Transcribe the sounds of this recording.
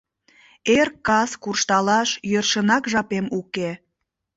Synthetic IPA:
erkːɑskurʃt̪ɑlɑʃjørʃənɑkʒɑpemuke

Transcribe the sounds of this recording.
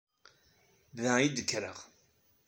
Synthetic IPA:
ðæid̪əkːɾəʁ

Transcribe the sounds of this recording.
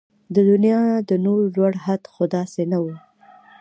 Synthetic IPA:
d̪əd̪ʊnijɑd̪ənoɾlwaɽhad̪xod̪ɑsenawu

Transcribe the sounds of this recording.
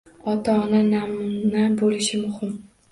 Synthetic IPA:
ɒt̪ʰaːnanamnabolɪʃɪmʊhɪm

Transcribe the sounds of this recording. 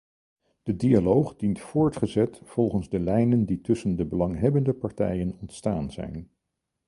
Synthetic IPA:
d̥ədialowχdintfʊːɹtχəzɛtfɔlˠχənzdəlɛjnənditɵsəndəbəlɑŋɦɛbəndəpɑɹtɛ̰jənɔntstaːnzɛ̰jn

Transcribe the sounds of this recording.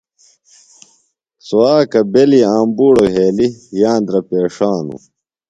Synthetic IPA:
suwaːkɐbeliaːmbuːɽoɦeːlijãːnd̪ɾɐpeːʂaːnṵ

